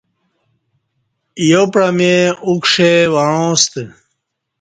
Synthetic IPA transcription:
jopɾameukʂewaɻõːst̪e

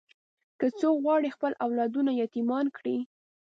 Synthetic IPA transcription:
kət͡sokɣwɑɽixpəlʔawlɑd̪unajat̪imɑnkɽi

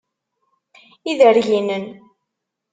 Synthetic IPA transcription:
iðəɾʝinən

